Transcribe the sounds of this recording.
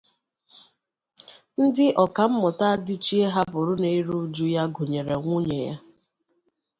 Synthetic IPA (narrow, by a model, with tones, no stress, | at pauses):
n̩˦dɪ˦ʔɔ˨ka˨m̩˦mɔ˨ta˦a˦dɪ˦t͡ʃi˦e˦ɦa˦bʊ˨ɾʊ˦ne˨i˦ɾu˦d͡ʒu˦ja˦ɡo˨ɲe˨ɾe˨ŋʷu˦ɲe˨ja̰˦